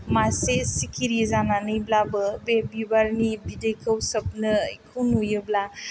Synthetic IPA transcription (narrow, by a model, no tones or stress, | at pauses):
masesikʰiɾizananɯjblabɯbebibaɾnibidejkʰəwsɐb̚nɯkʰunujɯbla